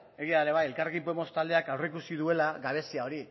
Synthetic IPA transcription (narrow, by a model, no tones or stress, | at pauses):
e̞ɣ̞ialeβaje̞lkareɣimpomo̞st̪ald̪e̞akawreikusiðue̞laɣaβ̞e̞siao̞ɾi